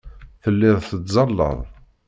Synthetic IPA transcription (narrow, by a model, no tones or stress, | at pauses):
θəlːɪðˤθət͡s̪zˤɑlːə̰ðˤ